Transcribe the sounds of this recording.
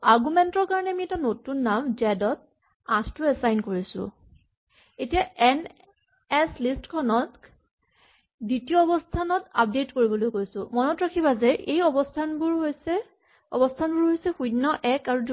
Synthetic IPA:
aɹɡumɛntɔɹkaɹɔnɛamiɛtanotunːamd͡ʒɛdɔt̚ | ãstuɛsajnkoɹisʊ̰̃ | etijaʔɛn | ɛslistkʰɔnɔt | ditijɔɔbɔstʰanɔtap̚detkoɹibɔlojkojsʊ̃mɔnɔtɹakʰibazɛʔejɔbɔstʰanbʊɹɦojsɛ | ɔ̰bɔstʰanbʊɹɦojsɛxudnɔʔɛkaɹud

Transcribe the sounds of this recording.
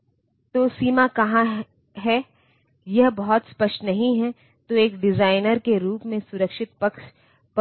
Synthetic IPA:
t̪oːsiːmakɐɦã | ɦɛ | jɐɦbɐɦɔt̪spɐʃʈnɐɦĩɦɛ | t̪oeːkɖɪzaːɪnəɾkeɾuːpmẽsʊɾəkʃɪt̪̚pɐkʃ | p

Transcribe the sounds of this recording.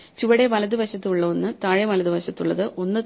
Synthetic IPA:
t͡ɕuʋɐɽe̞ʋɐlɐðɨbʱɐɕɐt̪ːɨuɭːɐonːɨt̪aːɻɐʋɐlɐðɨbʱɐɕɐt̪ːuɭːɐðɨʔo̞nːɨt̪

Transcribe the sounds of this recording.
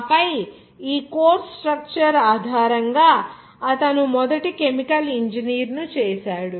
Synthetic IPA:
pɐj | iːkoːɾsʈɾɐk̚t͡ʃɐɾaːd̪ʱaːɾɐŋɡaː | ɐt̪ɐnumɔd̪ɐʈike̞mikɐliɲd͡ʒiniːɾnut͡ʃɛːʃaːɽu

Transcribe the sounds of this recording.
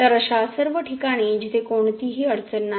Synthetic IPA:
əɾəɕasəɾʋəʈʰikaɽ̃iːd͡ʑit̪ʰekoɳt̪iːɦiːəɽt͡sənːa

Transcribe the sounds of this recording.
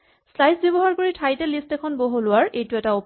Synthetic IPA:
slajsbibɔɦaɹkoɹitʰajtɛlistɛkʰɔnboɦulʊwaɹʔejtʊɛtaop

